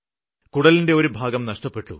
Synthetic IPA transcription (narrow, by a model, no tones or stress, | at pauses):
kuɽɐlinde̞oɾubʱaːɡɐmnɐʂʈɐpːe̞ʈːṵ